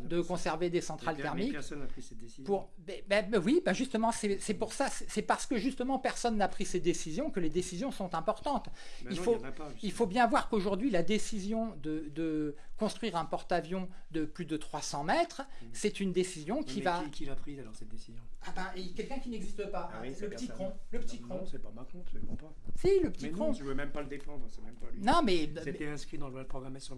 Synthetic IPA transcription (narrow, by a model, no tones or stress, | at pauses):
d̪əkɔ̃sɛʁved̪esɑ̃t̪χalt̪ɛʁmikniɛepuʁ | bɛbɛwibɛʒyst̪əmɑ̃sɛsɛpuʁsasɛsɛpaʁsə̥kəʒyst̪əmɑ̃pɛʁsɔnːapχised̪esizjɔ̃kəled̪esizjɔ̃sɔ̃t̪ɛ̃pɔʁt̪ɑ̃t̪ilfoilfobjɛ̃vwaʁkoʒuʁd̪ɥilad̪esizjɔ̃d̪əd̪əkɔ̃st̪χɥiʁɛ̃pɔʁt̪avjɔ̃d̪əplyd̪ət̪χwasɑ̃mɛt̪χsɛt̪ynd̪esizjɔ̃kkʰʲivakilapχizalɔʁsɛt̪̚d̪esizjɔ̃abɛ̃kʲɛlkʲɛ̃kʲinɛɡzist̪əpaləpət̪ikɔ̃ləpə̥t̪ikɔ̃sɛpamakɔ̃t̪ɛpɔ̃pasiləpə̥t̪ikɔ̃yvømɛmpaləd̪efɑ̃d̪ʁəsɛmɛmpanɔ̃mɛst̪ɛɛ̃skχid̪ɑ̃ləwad̪pχɔɡʁamasjɔ̃